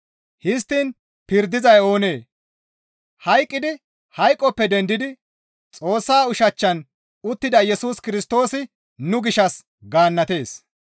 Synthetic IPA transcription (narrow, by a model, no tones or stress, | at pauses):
hɪs̬t̪ːiːn | pɪɾd̪ɪzɐjo̞ːneː | hɐjkʼːɪd̪ɪ | hɐjkʼːɔpːɛd̪ɛnd̪ɪd̪ɪ | t͡sʼo̞ːsːaːʊʃɐt͡ʃːɐn | ʊt̪ːɪd̪ɐjɛsuːskɪɾɪst̪o̞ːsɪ | nʊɡɪʃɐs | ɡaːnːɐt̪e̞ːs